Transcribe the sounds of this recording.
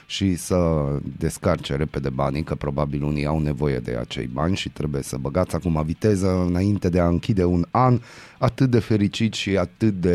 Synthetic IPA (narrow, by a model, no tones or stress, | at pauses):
ʃisəd̪e̞skart͡ʃeɾe̞pe̞d̪e̞banikəpɾo̞babilunijawne̞vo̞je̞̰d̪e̞̰a̰t͡ʃe̞̰jbanʲʃit̪ɾe̞buje̞səbəɡat̪sʲakumavit̪e̞zəɨnaint̪e̞d̪e̞aɨŋkʲid̪e̞unan | at̪ɨt̪̚d̪e̞fe̞ɾit͡ʃit̪ʃiat̪ɨt̪̚d̪e̞